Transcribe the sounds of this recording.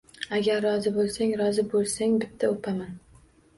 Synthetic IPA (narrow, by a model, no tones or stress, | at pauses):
aɡʲaɾːɒzɪbolˠsaŋɾɒzɪbolˠsaŋbɪt̪ʰːaopʰaman